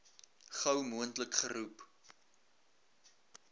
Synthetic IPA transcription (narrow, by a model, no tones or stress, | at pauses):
χɐwmuəntləkχəɾup